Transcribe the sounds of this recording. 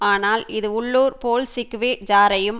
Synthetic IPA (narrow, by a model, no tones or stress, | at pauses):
aːnaːlɪðɯʊɭːuːɾpoːlsɪkːɯʋeːd͡ʒaːɾɐjɯm